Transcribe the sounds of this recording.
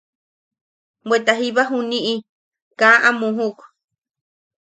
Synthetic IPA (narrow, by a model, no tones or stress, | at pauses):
wwet̪aɦiβaɦuniʔi | kaʔamuɦuk